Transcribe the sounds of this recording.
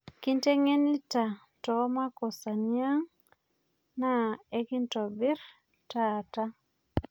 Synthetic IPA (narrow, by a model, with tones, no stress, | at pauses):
ki˦nte˦ŋe˦ni˦ta˨ | tɔ˨˦ma˦kɔ˨sa˨ni˦a˦ŋ | na˦e˦ki˦ntɔ˨bi˦ɾ | ta˦˨ta˦